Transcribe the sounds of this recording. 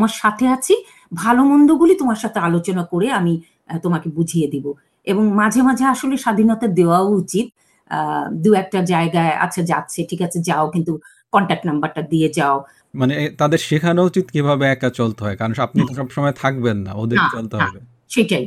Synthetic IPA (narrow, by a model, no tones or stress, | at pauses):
maɾʃat̪ʰeat͡ɕʰi | bʱalomond̪oɡulit̪omaɾʃat̪ʰealot͡ɕonakoɾeami | t̪omakebud͡ʑʱijed̪ibo | eboŋmad͡ʑʱemad͡ʑʱeaʃoleʃad̪ʱinɔt̪ad̪eoaout͡ɕit̪̚ | d̪uɛk̚ʈad͡ʑaeɡaea̰tːɕʰad͡ʑa̰tːɕʰeʈʰikat͡ɕʰed͡ʑaokint̪u | kɔɳʈak̚ʈnambaɾʈad̪ied͡ʑao | manet̪ad̪eɾʃikʰanout͡ɕit̪kibʱabeɛk̚at͡ɕolt̪eɦɔekaɾonap̚nit̪oʃɔbʃɔmɔet̪ʰak̚benːa̰od̪eat͡ɕolt̪eɦaɔbe | ʃeʈai